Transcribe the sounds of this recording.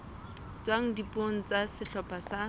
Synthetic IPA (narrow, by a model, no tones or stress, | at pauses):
t͡swaŋ̩dipʼoŋ̩t͡sasɪɬɔpʼasa